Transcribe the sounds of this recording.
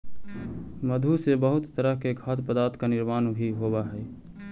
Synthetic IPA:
məd̪ʱusebəɦʊt̪t̪əɾəɦkeɡʱət̪pəd̪aːɾt̪kanɪɾmaːnbʱiɦoːbaɦɛː

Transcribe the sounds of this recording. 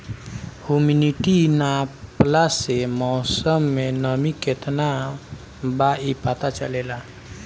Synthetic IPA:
huminiʈinaplasemɔːsəmːenəmiket̪na | baipat̪at͡ʃəlela

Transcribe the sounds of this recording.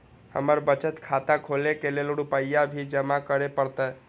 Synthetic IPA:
hə̰məɾbət͡ʃət̪kʰat̪akʰolekeleluɽupəjːabʱid͡ʒəmakəɾepəɾt̪ə

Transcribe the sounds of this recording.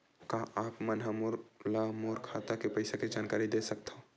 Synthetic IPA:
kaʔaːpmɐnɦamʊɾlamoːɾkʰaːt̪akepɐɪsakid͡ʒaːnkaːɾid̪esɐk̚t̪aõ

